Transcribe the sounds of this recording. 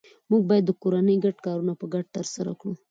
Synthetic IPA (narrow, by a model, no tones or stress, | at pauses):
muɡ̚bɑjad̪ːəkoɾanəjɡaɖkɑɾunapəɡaɖ̚t̪əɾsaɾa̰kɽu